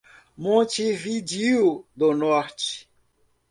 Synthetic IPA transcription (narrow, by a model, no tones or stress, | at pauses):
mõt͡ʃivid͡ʒiud̪onɔɾt͡ʃi̥